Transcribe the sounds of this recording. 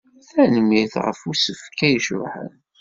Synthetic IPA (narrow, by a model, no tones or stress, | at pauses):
θænəmiθʁə̰fusəfkːæjəʃɾʊ̰ħə̰n